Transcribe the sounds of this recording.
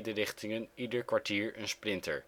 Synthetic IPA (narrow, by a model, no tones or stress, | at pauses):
dərɪχtɪŋənidəɹkʋaɹtiːɹənsprɪntə̰ɹ